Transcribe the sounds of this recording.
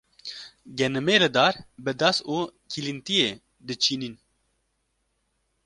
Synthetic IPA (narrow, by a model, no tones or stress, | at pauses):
ɡɛnɨmeːlɨd̪aːɾbɨd̪asuːkʰilint̪ijeː | d̪ɨt͡ʃʰiːnin